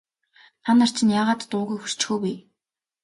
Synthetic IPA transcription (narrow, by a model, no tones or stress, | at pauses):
tanar̥t͡ɕʰɪ̆njaːʁaːt̪t̪ʊːɣuːxur̥t͡ɕxuːpij